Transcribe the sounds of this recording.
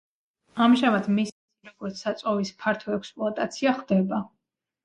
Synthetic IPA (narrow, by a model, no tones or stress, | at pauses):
amʒamad̪missiɾɔɡɔɾt̪sʰsat̪sʼɔvispʰaɾt̪ʰɔɛkspʼlˠɔat̪ʼat̪sʰiaχd̪ɛba